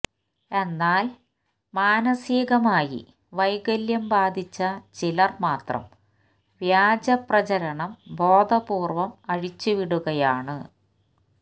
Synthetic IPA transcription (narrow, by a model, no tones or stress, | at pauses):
e̞nːaːl | maːnɐsiːɣɐmaːjḭ | ʋɐjɣɐljɐmbaːd̪ʱit͡ɕːɐt͡ɕilɐrmaːt̪rɐ̰m | ʋjaːd͡ʑɐprɐt͡ɕɐɾɐɳɐmbo̞ːd̪ʱɐbuːrʋɐmɐɻit͡ɕːuʋiɽuɣɐjaːɳɨ